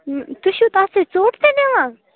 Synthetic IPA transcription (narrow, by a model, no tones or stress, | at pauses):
t̪uʃut̪aset͡soːʈt̪enẽʋã